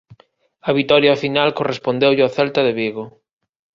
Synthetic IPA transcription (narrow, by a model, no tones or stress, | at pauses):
ɐβit̪ɔɾjafinalkorespond̪ewʎɪaθɛlt̪ɐðeβiɣo